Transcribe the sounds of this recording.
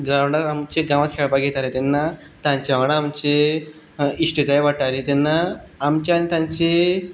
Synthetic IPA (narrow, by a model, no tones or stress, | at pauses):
ɡɾawɳɖəɾamt͡ɕeɡãʋat̪̚kʰeɭpaɡʱet̪alet̪ɛnːa | t̪ãɲt͡ɕeaɽaːmt͡ɕe | iʂʈit̪ajʋaʈalet̪ɛnːaːmt͡ɕeanit̪ãɲt͡ɕe